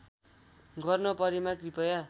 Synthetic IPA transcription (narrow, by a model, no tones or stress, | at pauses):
ɡʱʌrnopʌɾimakripʌja